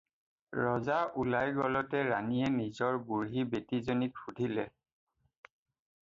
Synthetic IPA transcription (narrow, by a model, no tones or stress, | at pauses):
ɹɔzaʔulajɡɔlɔtɛɹaniɛnizɔɹbuɹɦibetizonit̚xʰudʱilɛ